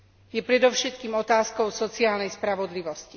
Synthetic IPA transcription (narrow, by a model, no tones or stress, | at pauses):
jɛpɾɛd̪ɔʊʃɛt̪kiːmɔt̪aːskɔʊsɔt͡siaːlnɛjspɾaʋɔd̪liʋɔsci